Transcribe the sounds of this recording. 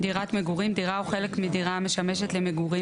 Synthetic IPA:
diʁat̪meɡuʁimd̪iʁauχe̞lekmidiʁame̞ʃame̞ʃe̞t̪lemeɡuʁi

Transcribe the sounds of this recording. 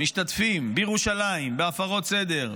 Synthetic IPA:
miʃt̪at̪fimbejeʁuʃalaimbeafaʁo̞tsed̪e̞ʁ

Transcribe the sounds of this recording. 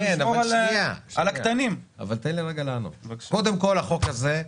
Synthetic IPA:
enoaliaalak̪anima̰valt̪enliʁeɡalanṵko̞d̪emko̞laχo̞kaze

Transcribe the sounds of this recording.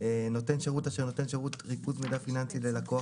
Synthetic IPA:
eno̞t̪e̞nʃeʁutaʃeʁno̞t̪e̞nʃeʁutʁikuzmedafinant͡silelako̞a

